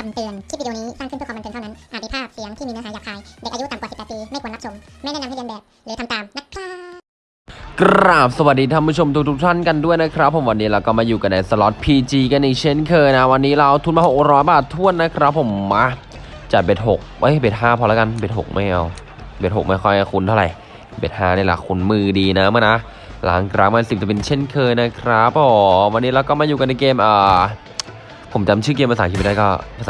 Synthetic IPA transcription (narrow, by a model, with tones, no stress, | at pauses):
ka˨˩mt̪ɯ˨˩ənt̪ʰiː˥˩˨i˧dniː˦˥sa˥˩ŋkʰpʰːm˧n˨nʰa˥˧na˦˥nʔaː˨˩t̪̚daː˧˩pʰaː˥˩a˨˩fi˨˦˥ŋt̪ʰiː˥miː˧naː˧˥ɦːjaː˨˩kʰhaː˧jdeː˨˩k̚ʔju˦˥t̪a˨˩mkaː˨˩si˨˩pːɛː˨t̪piː˧ma˥˩kːnːa˧˥sʰo˨˧˦m | ma˥˩jnaː˥˩n˧hʰa˥˩ka˧bɛː˨˩p̚ | lɛ˨˦t̪ʰmt̪aː˨˩mna˦˥k̚ʰɾaː˥˩ | kɾɾaː˨˩p̚sa˧wa˨˩diː˧t̪ʰa˧˥˩pʰu˦˥˩o˧mt̪ʰu˦˥t̪ʰu˦˥k̚t̪ʰa˥˩nka˧ndu˥˩əjna˦˥kʰɾa˦˥pʰːo˨˩˦mwa˧nːiː˦˥ɾa˧wkɔː˥˩maː˧juː˨˩ka˧nːa˧jsa˧lɔ˦˥t̪̚pʰiː˧t͡ɕiː˧ka˧nːi˧˩t͡ɕʰe˦˥˩nkʰɤː˧jna˦˥wa˧nːiː˦˥ɾa˧wt̪ʰu˧˥˩nmaː˧˩ho˨˩k̚k̚ɾɔː˦˥jbaː˨˩t̪ʰːu˥˩ənːa˦˥kʰɾa˦˥pʰːo˩˦mːa˦˥ | t͡ɕa˨˩be˨˩t̪̚ho˨˩k̚ʔɤ˦˥˨jbeː˨˩t̚ɦaː˥˩pʰɔ˧laː˦˥ka˧nbeː˨˩t̪̚ho̰˨˩k̚ma˥˩jʔa˧w | beː˨˩t̪̚ho˨˩k̚ma˥˩jkʰɔ˥˩jʔa˧˩kʰu˧nt̪ʰa˧˥˩ɾa̰˨˩j | beː˨˩t̪̚ɦaː˥˩na˧˥˩la̰˨˩kʰu˧nmɯː˧diː˧na˦˥mɯ˥˩na˦˥ | la̰ː˨˦ŋkʰɾaː˦˧˥ŋma˧˩si˨˩p̚t͡ɕa˨˩pe˧nt͡ɕʰe˥˩nkʰɤː˧jna˦˥kʰɾa˦˥p̚ʔɔː˨˦wa˧nːiː˦˥ɾa˧wkɔː˥˩maː˧juː˨˩ka˧nːa˧jkeː˧mʔəː˨˩ | pʰo˩˦mt͡ɕa˧˦mt͡ɕʰɯː˥˩keː˧mpa˧saː˨˦kʰːpa˥˩kɔː˥˩pʰa˧sa˦